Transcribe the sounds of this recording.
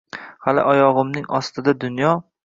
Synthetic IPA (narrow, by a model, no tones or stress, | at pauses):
halɪ̰ʔɒjɒʁɨmnɪŋɒst̪ʰɪd̪ad̪ʊnjɒ